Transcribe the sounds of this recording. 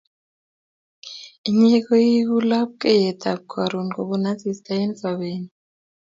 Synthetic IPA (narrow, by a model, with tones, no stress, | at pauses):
i˦ɲɛk̬ɔ˦ji˦ku˦la˦p̚kʼɛ˦jɛtʰʼab̚kʰaɾunɡo˨ɓuna˦zi˨stʼa˦ɛ˦nt͡sa˨ɓeːni